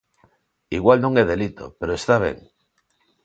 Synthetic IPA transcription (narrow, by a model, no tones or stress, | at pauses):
iɣwalnõŋeðe̞lit̪o̞̰peɾoest̪aβje̞̰ŋ